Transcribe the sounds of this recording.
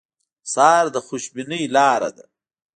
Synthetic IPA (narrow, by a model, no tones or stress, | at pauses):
sɑːɾd̪əxʊʃbinəjlɑːɾa̰d̪a̰